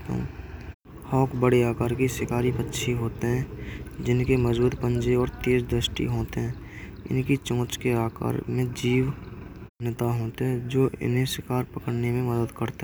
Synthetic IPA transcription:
ə̰ | hɔːkbəɽeaːkaːɾkiʃɪkaːɾibətːʃʰiɦoːt̪eɦɛ̃ːd͡ʒɪnkeməd͡ʒbuːd̪pə̃ɲd͡ʒeɔːɾt̪eːɾd̪ɾəsʈḭɦoːt̪eɦɛ̃ː | ɪ̰nkit͡ʃõːt͡ʃkeaːka̰ːɾmẽd͡ʒiːʋ | nɪt̪aɦoːt̪eɦɛ̃d͡ʒoːɪ̰nɦẽʃɪkaːɾpəkəɽnemẽməd̪əd̪kəɾt̪e

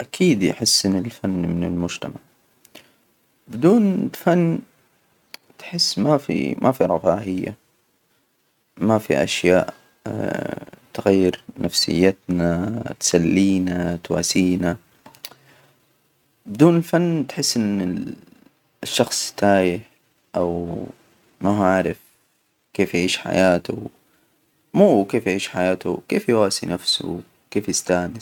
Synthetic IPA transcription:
ʔakʰiːd̪jħɪsːʔɪnɪlfanːmɪnɪlmʊd͡ʒt̪amaʕ | bɪd̪uːnfanː | t̪ħɪsːmafḭmʔafiɾˤɑfaːʕɪjːa̰ | mafḭʔa̰ʃja̰ːʔ | t̪ɣajːɪɾnafsɪ̰jːat̪nat̪salːiːnat̪wa̰ːsiːna | bɪd̪uːnɪlfanːt̪ħɪsːʔɪnɪ | ʃːɑxsˤt̪aːjɪħ | ʔaw | maɦaʕɾˤɪf | keːfjʕiːʃħa̰jaːt̪u | muːwkeːfjaʕiːʃħajaːt̪ṵkeːfjwaːsinafsʊ̰ | keːfjɪst̪aːnɪ

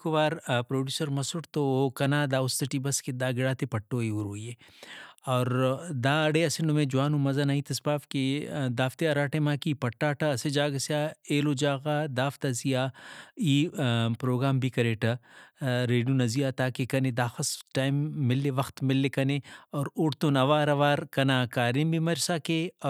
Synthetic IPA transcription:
koʋaːɾpɾoːɖjuːsɐɾmɐsʊʈt̪okɐnaːd̪aːʊst̪ɐʈibɐsked̪aːɡɪɽaːt̪epɐʈːoːiuɾoːjeː | ɔːɾd̪aːɐɽeɐsenomẽːd͡ʒʊwaːnũmɐzanaːĩt̪ʰɐspaːfked̪aːft̪eɐɾaːʈemaːkipɐʈːaːʈʰɐɐsed͡ʒaːɡɐsjaːeːloːd͡ʒaːɣaːd̪aːft̪azijaːiːpɾoːɡɾaːmbʱikɐɾeːʈɐ | ɾeːɖijunɐzijaːt̪aːkekɐned̪aːxɐsʈaːjmːɪlːeʋɐxt̪mɪlːekɐneɔːɾʊɽt̪onɐʋaːɾɐʋaːɾkɐnaːkaːɾimbʱimɐɾsaːkeɔː

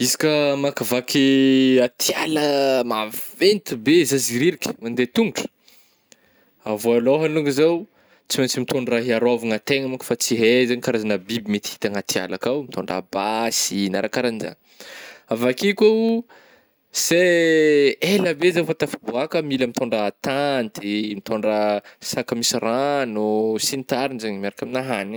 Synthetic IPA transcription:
izi̥kəmakavakʰiat̪ʰjaləmavent̪ibezaziɾiɾikʲə̥mand̪et̪unuʈ͡ʂə̥ | avoaloɦanuŋɡizaw | t͡simant͡simit̪oɳɖ͡ʐraɦiaɾavaŋat̪eŋəmukə̥fat͡siɦezaɲikaɾazanəbibimet̪i̥hi̥t̪aŋat̪ʰia̰lakawmit̪ʰoɳɖ͡ʐa̰basinaɾakaɾaniza̰ŋ | avakikʲow | se | eləbezewfat̪afibuakəmiləmit̪oɳɖ͡ʐat̪ant̪imit̪oɳɖ͡ʐəsakəmisiranusint̪aɾinzaɲmaɾakaminaɦan

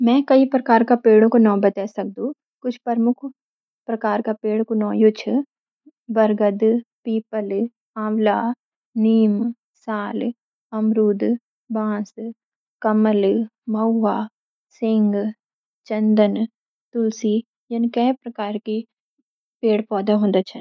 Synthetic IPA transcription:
mɛ̃kɐipɾɐkaːɾkapeːɽõkonɔːbɐt̪ɛːsɐk̚d̪ũ | kʊt͡ʃʰpɐɾmʊkʰ | pɾɐkaːɾkapeːɽkonɔ̃ːjʊt͡ʃʰ | bɐɾɡəd̪piːpəl | ãːʋlaː | niːm | saːl | ɐmɾuːd̪ | bãːs | kɐməlmɐʊaː | sɪŋɡ | t͡ʃɐnd̪ən | t̪ʊlsi | jɐnkɛːpɾɐkaːɾki | peːɽpɔːd̪aɦõːnd̪at͡ʃʰɐn

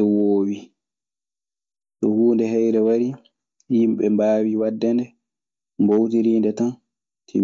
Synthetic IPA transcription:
woːwi | tɔ̰huːndɛɦɛjɾɛwaɾi | jimɓɛmbaːwiwadːɛndɛ | mbowtiɾiːndɛtan | tʰḭ

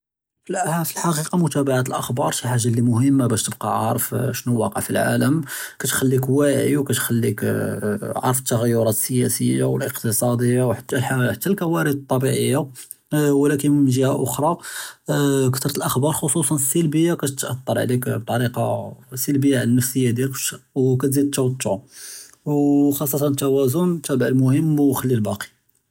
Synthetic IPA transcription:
flfilħɑqiqɑmʊt̪æbaʕat̪əlʔəxbɑɾˤʃiħaʒːalːimʊhəmːabæʃt̪əb̚qɑ̰ʕɑ̰ɾˤfʃnuwɑqə̰ʕfilʕa̰ləmkæt̪xælːikwæʕḭwkæt̪xælːik | ʕɑ̰ɾˤəfət̪ːaɣəjːʊɾˤɑt̪əsəjæsəjːa̰wəlʔəqt̪isˤɑd̪ˤəjːawħt̪ːælħħat̪ːælkæwæɾid̪ət̪ˤːɑbiʕəjːa | wlækənmnʒihaʔʊxɾˤɑ | kt̪ɾˤt̪əlʔəxbɑɾˤxosˤusˤɑnəsːəlbəjːakæt̪t̪ʔɑ̰t̪ˤːɑɾˤʕ̰likb̚t̪ˤːɑɾiqɑ̰səlbəjːaʕlənːəfsəjːad̪jæləkwkæt̪zid̪̚t̪ːæwt̪ː | wxɑsˤːɑt̪ɑnət̪ːæwæzʊnt̪æbʕəlmʊhəmːwxəlːilbɑqi̥

